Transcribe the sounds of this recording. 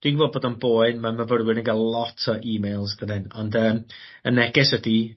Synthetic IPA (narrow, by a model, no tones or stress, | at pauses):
d̥wiɡvoːd̚boːdənboːɨnmaməvəɾwɪnəŋɡalˠlˠɔtʰɔʔiːmejlˠsdənɪnɔndəːm | ənɛɡɛswədi